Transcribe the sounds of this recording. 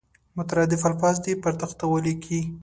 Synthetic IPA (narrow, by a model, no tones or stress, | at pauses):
mʊt̪aɾɑd̪ɪfalfɑz̬d̪ipəɾt̪əxt̪awəlikʰi